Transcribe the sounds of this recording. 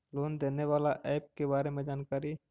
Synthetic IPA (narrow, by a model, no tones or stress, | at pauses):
loːnd̪eːneʋaːlaʔɛːp̚kebaːɾemẽd͡ʒaːnkaːɾi